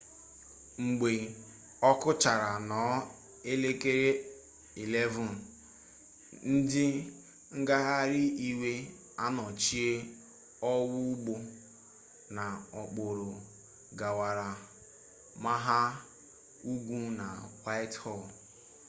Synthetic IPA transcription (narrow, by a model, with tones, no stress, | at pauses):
ŋ͡m̩˨ɡ͡be˨ | ɔ˦kʊ˦t͡ʃa˨ɾa˨nɔ˨˦ | e˦le˦ke˦ɾe˦ | i˨le˦vʊ˨n | n̩˦dɪ˦ | ŋ̩˦ɡa˦ɦa˦ɾɪ˦i˦we˦ | a˦nɔ˨t͡ʃi˦e˦ | ɔ˦wʊ˦u˦ɡ͡bo˦ | na˨ɔ˨k͡po˨ɾʊ˨ | ɡa˨wa˨ɾa˨ | ma˦ɦa˦ | u˦ɡʷu˦na̰˨wa˦ɪ˦thɔ˦˨l